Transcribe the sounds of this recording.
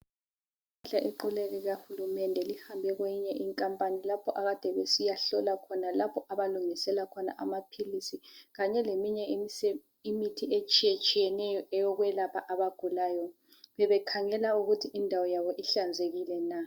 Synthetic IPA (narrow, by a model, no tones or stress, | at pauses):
ɬaʔeǃulɛlɛɣahulumɛndʱɛlihambʱɛɣwejiɲɛʔiŋkʼampʼanilapʰɔʔaɣad̥ʱɛβesijaɬɔlakʰɔnalapʰɔʔaβaluŋisɛlakʰɔna̰ʔamapʰilisiɣaɲɛlemiɲɛ | imitʰiet͡ʃʼijet͡ʃʼijɛnɛjɔʔɛjɔɣwɛlapʰaʔaβaɡ̥ʱulaːjɔ | βɛβɛkʰaŋɛlauɣutʰiʔindʱawɔjaβɔʔiɬand͡zʱeɣilɛna